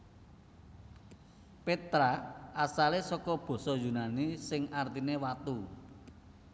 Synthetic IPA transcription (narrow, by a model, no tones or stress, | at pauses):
pet̪ɾaasalesɔkɔb̥ɔ̤sɔjunanisɪŋart̪inewat̪u